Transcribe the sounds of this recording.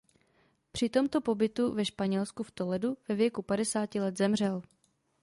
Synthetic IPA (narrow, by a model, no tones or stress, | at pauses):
pr̥ɪt̪o̞mt̪o̞po̞bɪt̪uvɛʃpaɲɛlskuft̪olɛduvɛvjɛkupadɛsaːcɪlɛt̪zɛmr̝ɛl